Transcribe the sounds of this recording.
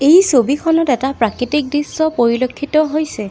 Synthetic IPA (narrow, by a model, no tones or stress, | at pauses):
ejsobikʰɔnɔtɛtapɹakɹitik̚disːɔpoɹilokʰːitɔɦojsɛ